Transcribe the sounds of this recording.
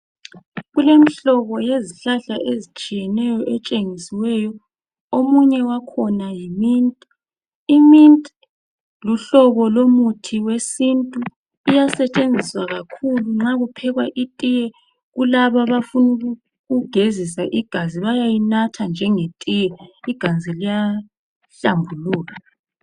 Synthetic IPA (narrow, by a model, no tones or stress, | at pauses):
ɣulemiɬɔβɔjeziɬaɬaʔezit͡ʃʼijɛnɛjɔʔɛt͡ʃʼeŋisiwɛjɔ | omuɲɛwakʰɔnajimintʼi | imintʼi | luɬɔβɔlomutʰiwesintʼu | ijasɛt͡ʃʼend͡zʱiswaɣakʰuluŋ͡ǁaɣupʰɛɣwaʔitʼijɛ | ɣulaβaβafunu | ɣuɡ̥ʱezisaʔiɡ̥ʱaziβajajinatʰand͡ʒʱɛŋetʼijɛiɡ̥ʱand͡zʱilija | ɬambʱuluːɣa